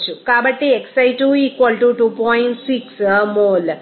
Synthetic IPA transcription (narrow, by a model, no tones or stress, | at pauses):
t͡ʃʰukabəʈːeeksajʈuikʋəlʈuʈupɔjiɳʈsiksmoːl